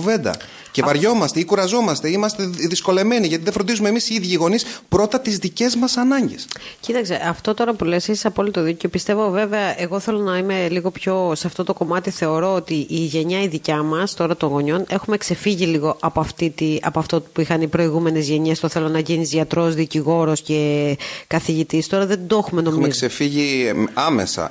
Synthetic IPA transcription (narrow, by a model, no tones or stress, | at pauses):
ve̞nd̪ɐ̰ | cevɐɾʝo̞mɐst̪eikuɾɐzo̞mɐst̪eimɐst̪eðisko̞le̞me̞niʝɐt̪iðefɾond̪izumemisiiðʝiiɣo̞nispɾo̞t̪ɐt̪izðice̞zmɐsɐnɐɲɟescit̪ɐkse̞ʔɐft̪o̞t̪o̞ɾɐpule̞sesi̥sɐpo̞lit̪oðiceo̞pist̪e̞vo̞ve̞ve̞ɐʔeɣo̞θe̞lo̞nɐime̞liɣo̞pço̞sɐft̪o̞t̪o̞ko̞mɐt̪iθe̞o̞ɾo̞ot̪iʔiʝe̞ɲɐiðicɐmɐst̪o̞ɾɐt̪o̞ŋɣo̞ɲo̞ne̞xume̞kse̞fiʝiliɣo̞ʔɐpoɐft̪it̪iɐ̰poɐft̪opuixɐnipɾo̞iɣume̞ne̞zʝe̞ɲe̞st̪oθelo̞nɐʝinizʝɐt̪ɾo̞zðiciɣo̞ɾo̞sce̞kɐθiʝit̪ist̪o̞ɾɐðe̞d̪oexume̞no̞mieksefiʝiɐmḛsɐ̰